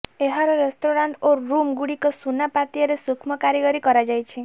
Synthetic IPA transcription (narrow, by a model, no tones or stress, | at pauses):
eɦaɾɔɾesʈoɾaɳʈoɾumɡuɽikɔsunapat̪iaɾesukʰmɔkaɾjɔɡɔɾikɔɾad͡ʒajt͡ʃʰi